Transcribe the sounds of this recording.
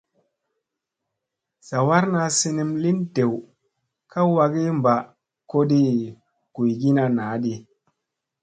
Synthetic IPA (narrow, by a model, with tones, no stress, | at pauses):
z̥a˨wa˦ɾna˧si˧ni˧mli˦nte˨w | kʰa˦wa˧ɡi˦mba˨ | ko˦ɗi˦ | ɡ̥u˨jɡi˦na˧naː˨˦ɗi˧